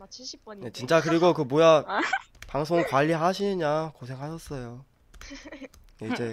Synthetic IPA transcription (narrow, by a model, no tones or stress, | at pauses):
jet͡ɕint͡ɕ͈akɯɾiɡokɯmoja | paŋsʰoŋkwaʎːiɦaɕʰiɲakosʰe̞ŋɦaɕʰʌs͈ʌjo | jeid͡ʑe̞